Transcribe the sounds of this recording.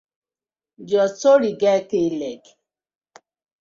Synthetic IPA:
d͡ʒɔsoɾiɡɛkelek

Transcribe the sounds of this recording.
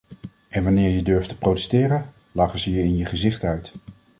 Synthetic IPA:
ʔɛnʋɑnɪːɹjədɵɹftə̥prowtɛ̥stɪːrən | lɑːχəzəjəɪnjəχəzɪχtœɥt

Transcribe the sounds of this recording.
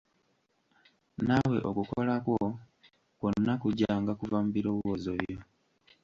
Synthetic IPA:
nawe̞̰ʔokukolakwo̞ | konːakuɟaŋɡakuvamubiɾo̞ːβuwozoβjo

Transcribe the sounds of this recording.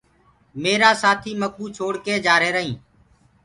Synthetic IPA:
meːɾaːsaːt̪ʰiːmək̚uːt͡ʃʰoːɽkeːd͡ʒaːɾeːɾəɦĩː

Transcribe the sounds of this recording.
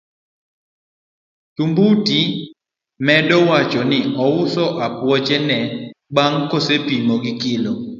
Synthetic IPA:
tumbuti | mɛdɔwat͡ʃɔnɪʔɔwʊsɔʔapwɔd͡ʒɛnɛɓaŋkosepimɔɡɪkɪlo

